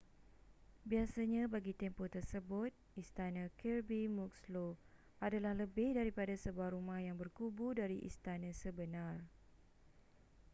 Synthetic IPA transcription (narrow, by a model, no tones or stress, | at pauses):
biasaɲãbaɡit̪ɛmpot̪ərsəbʊt̪̚ist̪anə̃kʰɛrbimuk̚slo | ʔadalahləbɪhdaɾipadasəbuahɾumãhjaŋbərkubudaɾiʔḭst̪anə̃səbənãr